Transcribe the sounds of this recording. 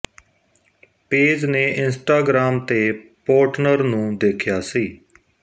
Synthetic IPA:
peːd͡ʒneːʔɪnsʈaːɡɾaːmt̪eːpoːʈnəɾnũːd̪eːkʰjaːsiː

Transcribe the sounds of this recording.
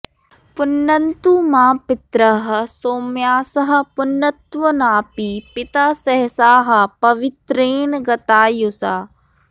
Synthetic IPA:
pʊnːɐnt̪umãːpɪt̪ɾɐɦɐsoːmjaːsɐɦɐ̆pʊnːət̪ʋɐnaːpiːpɪt̪aːsɐɦsaːɦɐ̆pɐʋɪt̪ɾeːnɡɐt̪aːjusaː

